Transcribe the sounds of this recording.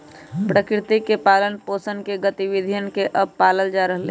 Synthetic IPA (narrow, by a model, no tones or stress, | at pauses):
pɾəkɾɪt̪ikepaːlənpoːsənkeɡət̪iʋid̪ʱijənkeʔəb̚paːləld͡ʒaɾəɦlḛː